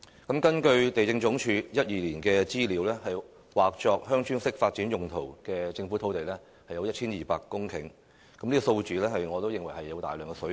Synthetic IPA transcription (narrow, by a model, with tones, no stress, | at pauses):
kɐ˨˥mkɐ˥nkɵ˧ɥt̪e˨jt͡sɪ˧ŋt͡ʃʊ˨˥ŋt͡ʃʰyː˨˧jɐ˥t̚jiː˨liː˨˩nkɛː˧t͡siː˥liː˨˥wlɛː˥hɐ˨j | waː˨˩k̚t͡ʃɔː˧k̚hœː˥ŋt͡ʃʰyː˥ŋsɪ˥k̚faː˧t̚t͡siː˨˥njʊ˨ŋt̪ʰo˨˩wkɛː˧t͡sɪ˧ŋfu˨˥t̪ʰo˨˥wt̪e˨jlɛː˥ | hɐ˨jɐ˧wjɐ˥t̚t͡ʃʰiː˥njiː˨˩paː˧kːʊ˥ŋkʰɪ̰˨˩ŋ | kɐ˨˦mnliː˥ɡɔ˨˧so˧wt͡syː˨lɛː˥ɦɐ˨jŋɔː˨˧t̪o˥wjɪ˨ŋwɐ˨˩jhɐ˨jːɐ˨˧wt̪aː˨jlœː˨˩ŋkɛ˧sɵ˨˥